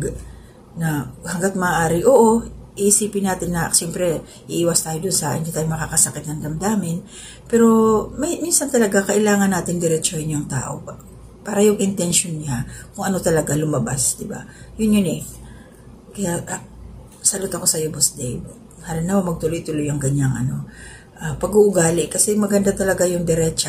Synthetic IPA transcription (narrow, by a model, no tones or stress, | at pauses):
ɡ | nɐhɐŋɡat̪̚mɐːʔaːɾɪʔoʔoʔiʔisiːpɪnaːt̪ɪnːɐʃɛmpɾɛ | ʔɪʔiːwɐst̪aːjod̪ʊnsaʔɪ̰nd̪it̪aːjoŋmɐkaːkɐsɐkɪt̪nɐŋd̪ɐmd̪aːmɪn | pɛːɾo̞mɛminsɐnt̪ɐlɐɡakɐʔɪlaːŋɐnːaːt̪ɪŋd̪ɛɾɛt͡ʃohɪɲʊŋt̪a̰ːʔo̞̰p | paːɾɐjʊŋʔɪnt̪ɛnʃonɲakʊŋʔɐno̞t̪ɐlɐɡalʊmɐbasd̪ɪba̰jʊnjʊnɛ | kɐjaʔʔ | sɐlot̪ɐko̞sɐjobosd̪ɛj | halɪnːaomɐɡ̚t̪ʊlojt̪ʊlojɐŋɡɐɲaŋʔɐ̰no̞ | ʔapɐɡuʔʊɡaːlɪʔkɐsɛmɐɡɐnd̪at̪ɐlɐɡajʊŋd̪ɛɾɛt͡ʃ